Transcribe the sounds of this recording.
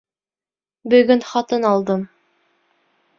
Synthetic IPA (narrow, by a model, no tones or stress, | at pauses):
bɵ̆ɡɵnχɑt̪ɤnɑlˠd̪ɤm